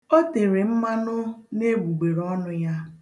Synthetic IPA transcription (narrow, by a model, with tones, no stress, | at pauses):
o˦te˨ɾe˨m̩˦ma˦nʊ˦ne˦ɡ͡bu˨ɡ͡be˨ɾɔ˦nʊ˦ja˦